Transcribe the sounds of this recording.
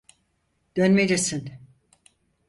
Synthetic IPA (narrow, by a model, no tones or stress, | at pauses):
d̪̥ønmed͡ʒesin